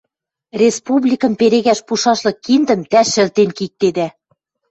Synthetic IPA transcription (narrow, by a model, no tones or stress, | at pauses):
rʲespublʲikɤ̆mpeɾeɣæʃpuʃɑʃlɤ̆kːind̪ə̆mt̪æʃɘ̆lt̪enkik̚t̪ed̪æ